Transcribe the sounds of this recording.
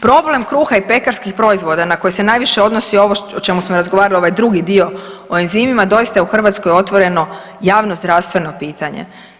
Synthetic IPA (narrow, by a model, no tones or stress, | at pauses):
pɾo̞ble̞mkɾuːxaipe̞kaɾskixpɾo̞izʋo̞d̪anako̞jese̞najʋiʃe̞o̞d̪nosio̞ʋoot͡ʃe̞musmoɾazɡoʋaːɾalio̞ʋajd̪ɾuɡid̪io̞oinziːmimad̪o̞ist̪auxr̩ʋat̪skojo̞t̪ʋo̞ɾe̞no̞ | jaːʋno̞zd̪ɾaʋst̪ʋe̞no̞piːt̪aɲḛ